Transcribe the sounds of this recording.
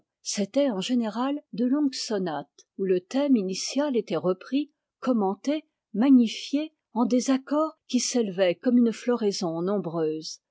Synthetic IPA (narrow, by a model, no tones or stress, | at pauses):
set̪ɛɑ̃ʒeneʁald̪əlɔ̃ɡsɔnat̪ | ulət̪ɛminisjalet̪ɛʁəpχi | kɔmɑ̃t̪e | maɲifje | ɑ̃d̪ezakɔːʁkʲiselvɛkɔmynflɔʁezɔ̃nɔ̃bʁøːz